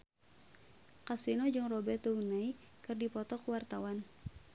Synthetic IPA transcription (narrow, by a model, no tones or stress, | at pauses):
kasinod͡ʒɨŋrɔbɛt̪ounaikɨrdipɔt̪ɔkuwart̪awan